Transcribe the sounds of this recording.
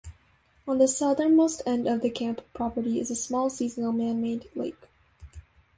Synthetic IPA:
ə̃nðəsʌðə̃˞nmoʊstɛ̃ndʌvðɨkʰæ̃mppʰɹ̥ɑpə˞ɾiɨ̰zəsmɔlˠsizənl̩ˠmæ̃nmeɪdlḛɪk

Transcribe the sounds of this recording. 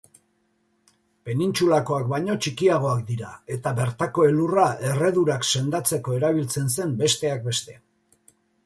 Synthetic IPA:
pe̞nint͡sulako̞ak̚bajɲo̞t͡ʃikiaɣ̞o̞ak̚d̪iɾae̞t̪aβe̞ɾt̪ako̞e̞lurae̞re̞ðuɾakse̞nd̪at͡se̞ko̞e̞ɾaβ̞ilt͡se̞nse̞mbe̞st̪e̞ak̚be̞st̪e̞

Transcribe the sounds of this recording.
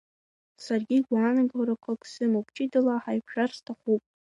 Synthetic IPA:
sarɡʲiɡʷaːnaɡaɾakʷʰakʰʼsɨmabt͡ʃʼidɨlaħajpʰʂarstʰaχupʼ

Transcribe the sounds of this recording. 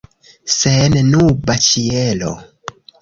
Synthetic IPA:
sennubat͡ʃielo̰

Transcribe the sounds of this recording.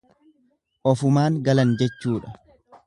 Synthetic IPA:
ʔɔfʊmaːŋɡɐlɐnd͡ʒɛt͡ʃːuːᶑɐ̥

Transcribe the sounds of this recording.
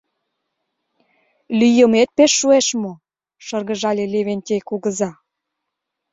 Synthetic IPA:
lyjə̆met̪̚peʃːueʃmo | ʃɤ̆rɣə̆ʒɑlʲeleβenʲt̪ʲekuɣə̆zɑ

